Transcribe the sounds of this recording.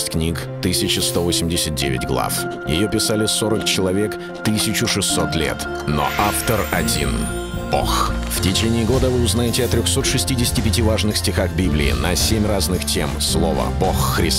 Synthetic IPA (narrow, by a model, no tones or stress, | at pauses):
sʲtʲknʲik | t̪ɨsʲɪt͡ɕɪst̪o̞vosʲɪmʲdʲɪsʲət̪̚dʲevʲɪ̰tʲɡlˠa̰f | jɪ̰jopʲɪsalʲɪso̞ɾəkt͡ɕɪlˠɐvʲe̞k | t̪ɨsʲɪt͡ɕʊʂɨsːo̞t̪lʲe̞̰t̪ | no̰ʔaft̪ərɐdʲḭn | b̥o̰xftʲɪt͡ɕenʲɪːɪɡo̞d̪əvɨʊznajɪtʲɪɐt̪ɾʲoxso̞t̪ʂɨsʲtʲidʲɪsʲɪ̥tʲɪpʲɪtʲivaʐnɨxsʲtʲɪxaxbʲiblʲɪ̰ɪ̰nə̰sʲemʲraznɨxtʲemslˠo̞̰və̰boxːɾʲɪs